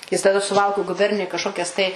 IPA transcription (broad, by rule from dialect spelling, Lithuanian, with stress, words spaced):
ˈjɪs tɐˈdɐ sʊˈʋɐlˠkʊ ɡʊˈbʲɛrʲnʲɪjʊj kɐʃˈkoːkʲɛs tɐɪ